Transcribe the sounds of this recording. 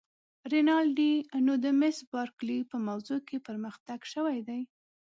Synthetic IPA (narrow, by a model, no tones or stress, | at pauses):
ɾɪnɑlɖinod̪əmɪsbɑɾklipəmawzokepəɾməxt̪aɡʃəwajd̪aj